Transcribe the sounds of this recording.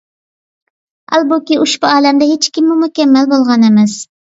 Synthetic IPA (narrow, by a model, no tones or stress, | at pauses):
æ̰lˠbukʲiʔuʃbuɑːlɛmd̪ɛɦet͡ʃkʲimːumukʲɛmːɛlbolˠʁɑnemɛs